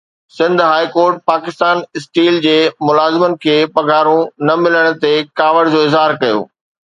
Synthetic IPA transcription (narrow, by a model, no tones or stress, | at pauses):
sɪ̃nd̪ʱɦaːikoːɾʈ̚paːkɪst̪aːnɪsʈiːld͡ʑeːmʊlaːzɪmən̆kʰeːpɐɡʱaːɾũnɐmɪləɽ̃̆t̪ekaːʋəɽd͡ʑoːɪzɦaːɾkɐjo̰ː